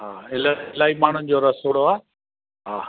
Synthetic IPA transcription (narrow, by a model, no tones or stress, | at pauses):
ɦaːɪlaɪlaːimaːɳ̤ʊnɪ̆d͡ʑoːɾɐsoːɽoaː | ɦaː